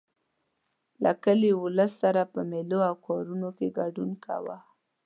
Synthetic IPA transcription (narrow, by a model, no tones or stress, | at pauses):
lakəliʊləsːaɾapəmeloawkɑɾunokeɡaɖunkʰa̰wa